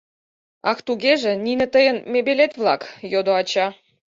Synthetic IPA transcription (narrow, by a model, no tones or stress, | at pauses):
ɑkt̪uɣeʒĕninɘ̆t̪əjənmebelet̪vlˠɑkjod̪oɑt͡ɕɑ